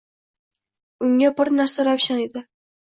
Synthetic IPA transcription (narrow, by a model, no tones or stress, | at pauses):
ʊŋabɪɾnaɾsaɾapʃaned̪ɪ